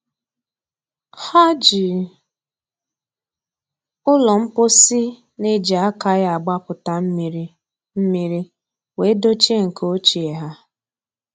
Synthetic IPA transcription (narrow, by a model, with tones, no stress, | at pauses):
ha˦d͡ʒi˨ | ʊ˦lɔ˨m̩˦pʊ˦si˦ | ne˦d͡ʒi˨a˦ka˦ɣa˨ɡ͡ba˦pʊ˨ta˨˦m˨ɾi˦ | m̩˦mi˦ɾi˦ | we˨˦do˦t͡ʃe˦ŋ̩˨kʰo˦t͡ʃi˨e˨ɦa˦